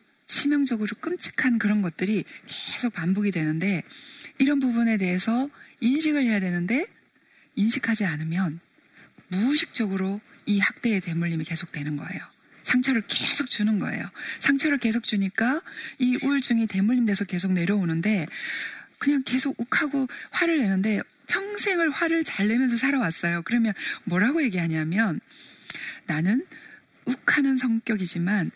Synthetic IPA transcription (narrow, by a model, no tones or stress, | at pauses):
t͡ɕʰimjʌŋd͡ʑʌɡɯɾok͈ɯmt͡ɕʰɯ̥kʰankɯɾʌnɡʌt̚t͈ɯɾike̞sʰok̚pambuɡidwe̞nɯnde̞iɾʌnbubune̞de̞ɦe̞sʰʌinɕʰiɡɯɭhe̞jadwe̞nɯnde̞ | inɕʰikʰad͡ʑianɯmjʌn | muɕʰik̚t͡ɕ͈ʌɡɯɾoihak̚t͈e̞ːte̞muʎːimike̞sʰok̚t͈we̞nɯnɡʌ̰e̞̰jo | sʰaŋt͡ɕʰʌɾɯɭke̞sʰok̚t͡ɕ͈unɯnɡʌ̰e̞̰josʰaŋt͡ɕʰʌɾɯɭke̞s̬ʰok̚t͡ɕ͈uɲik͈aiʔuɭt͡ɕ͈uŋite̞muʎːimde̞sʰʌke̞sʰok̚ne̞ɾjʌonɯnde̞ | kɯɲaŋke̞sʰoɡ̚ukʰaɡoɸwaɾɯɭːe̞nɯnde̞ | pʰjʌŋsʰe̞ŋɯɭɸwaɾɯɭt͡ɕaɭːe̞mjʌnsʰʌs̬ʰaɾʌwas͈ʌjokɯɾʌmjʌnmwʌɾaɡoje̞ɡiɦaɲiɦamjʌnː | anɯn | ukʰanɯnsʰʌŋk͈jʌɡid͡ʑiman